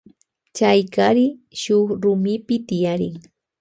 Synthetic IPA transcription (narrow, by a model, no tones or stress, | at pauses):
t͡ʃajkaɾɪʃʊχɾʊmɪpɪt̪ɪjaɾɪ̰ŋ